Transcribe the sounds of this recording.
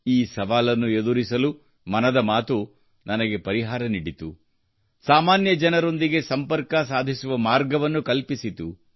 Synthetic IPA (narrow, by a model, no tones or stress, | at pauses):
iːsɐʋaːlɐnːue̞d̪uɾisɐlu | mɐnɐd̪ɐmaːt̪u | nɐnɐɡe̞pɐɾiɦaːɾɐniɽit̪u | saːmaːnjɐd͡ʒɐnɐɾo̞nd̪iɡe̞sɐmpɐɾkɐs̬aːd̪ʱisuʋɐmaːɾɡɐʋɐnːukɐlpisit̪u